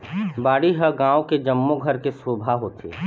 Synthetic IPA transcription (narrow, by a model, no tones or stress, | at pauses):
baːɽiɦəɡãːõked͡ʒəmːoɡʱəɾkesoːbʱaɦot̪ʰḛː